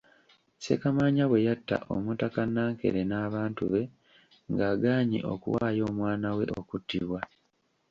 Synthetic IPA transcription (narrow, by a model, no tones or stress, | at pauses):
se̞̰kamaːɲaβwe̞jatːa̰ʔo̰mutakanːaːŋke̞̰ɾenaːβaːntṵβe̞ | ŋɡaːɡaːɲḭʔo̞̰kṵwaːjo̞ːmwaːnawe̞̰ʔo̞kutːiβwa